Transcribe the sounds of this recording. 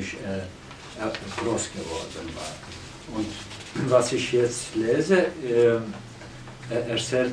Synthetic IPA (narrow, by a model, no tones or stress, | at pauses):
ɪç | ɡ̥ʁoːsɡ̥əvɔɾdn̩va̰ː | ʊnt | vasɪçjɛt͡stleːzə | ɛt͡sɛː